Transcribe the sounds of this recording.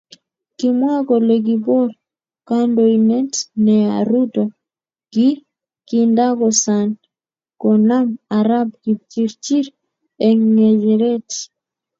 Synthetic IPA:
kimwa˦kɔ˨lɛ˨k̬ibɔ˦ɾ | ka˦ndɔinɛ˦tnɛa̰ɾutɔ | ki˦ | kinda˦kɔsa˨n | kɔna˦maɾa˦b̚ki˨t͡ʃi˦ɾt͡ʃi˦ɾ | ɛŋŋɛ˨d͡ʒɛɾɛ˦t

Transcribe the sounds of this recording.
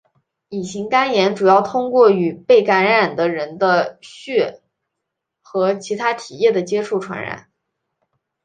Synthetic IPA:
i˨˩ɕi˧˥ŋka˥njɛ˧˥nʈ͡ʂu˨˩jɑ˥˩ʊt̪ʰʊ˥ŋkwɔ˥˩y˨˩pe˥˩ɪka˧˥nɻa˨˩nd̪ə˦ɻə˧˥nd̪ə˧ɕɥɛ˥˩ | xɤ˧˥t͡ɕʰi˧˥t̪ʰa˥t̪ʰi˨˩jɛ˥˩d̪ə˩t͡ɕjɛ˥ʈ͡ʂʰu˥˩ʈ͡ʂʰwa̰˧˥nɻa̰˧˩˦

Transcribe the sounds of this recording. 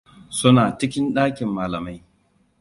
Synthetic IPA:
sʊ˦naː˨t͡ʃɪ˦kʲɪ˦nɗaː˦kʲɪ˨mːaː˨lɐ˨ma˦j

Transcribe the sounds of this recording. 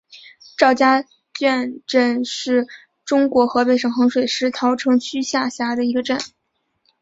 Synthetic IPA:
ʈ͡ʂɑ˥˩ʊt͡ɕja˥ | t͡ɕɥɛ˥˧nʈ͡ʂə˥˧nʂɻ̩˥˩ | ʈ͡ʂʊ˥ŋkwɔ˧˥xɤ˧˥pe˥˩ɪʂɤ˨˩ŋxɤ˧˥ŋʂwe˨˩ɪʂɻ̩˥t̪ʰɑ˧˥ʊʈ͡ʂʰɤ˧˥ŋt͡ɕʰy˥ɕja˥˩ɕja˥d̪ə˨i˧˥ɡə˧ʈ͡ʂə˥˩n

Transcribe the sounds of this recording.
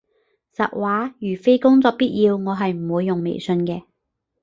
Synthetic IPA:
sɐ˨t̚waː˨˥jyː˨˩fe˥jkʊ˥ŋt͡sɔː˧k̚piː˥t̚jiː˧wŋɔː˨˧ɦɐ˨jm̩˨˩wuː˨˧jːʊ˨ŋmḛ˨˩jsɵ˧nkɛː˧

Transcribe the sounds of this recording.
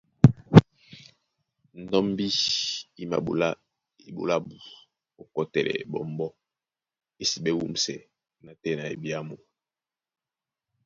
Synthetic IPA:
n̩˨dɔ˦m˦bi˦i˨ma̰˨la˦ | i˨bo̰˨la˦bu˨ | o˨kɔ˦tɛ˨lɛ̰˨bɔ˨m˦bɔ˦ | e˨si˨bɛ˦wṵ˦m˨sɛ˨ | na˨tɛ˦˨na˨ḛ˨bi˦a˦mo˨

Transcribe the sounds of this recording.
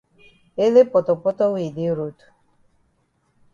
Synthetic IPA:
e˦le˦pɔ˨t̪ɔ˨pɔ˦tɔ˦wi˨de˦ɾo˨tu̥˨

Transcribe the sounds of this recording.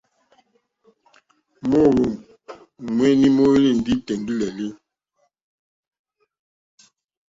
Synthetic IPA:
mo˦ɾo˨m | mwɛ˦ni˦mo˦e˦li˦˨n̩˨di˦tɛ˨ŋɡi˦lɛ˨le˦

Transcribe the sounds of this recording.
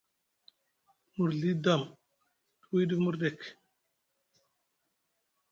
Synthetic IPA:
mu˨ɾɮi˦da˦˨m | tu˦wi˦ɗi˦mu˦ɾɗe˦˨k

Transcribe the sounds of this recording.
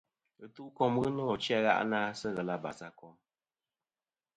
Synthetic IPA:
ɣɨ˨tu˦ʔkɔ˦mɣɨ˦nɔ˦˨t͡ʃja˦ɣa̰˦ʔnaː˦sɛ˦ɣɛ˨la˦ba̰˨sa˦kɔ˦m

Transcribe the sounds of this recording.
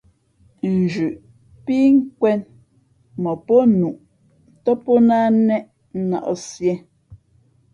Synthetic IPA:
n̩˨d͡ʒʉ˨ʔ | pi˦ŋ̩˦kwɛ˦n | mɔ˨pɔ˦nu˨ʔ | tɔ˦pɔ˦na˦nɛ˦ʔ̩˦ | na̰˨ʔɔ˦˨sjɛ˦

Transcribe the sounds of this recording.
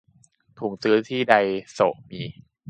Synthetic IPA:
t̪ʰuː˩˦ŋsɯː˦˥t̪ʰiː˥˩da˧jso˨˩ʔmiː˧

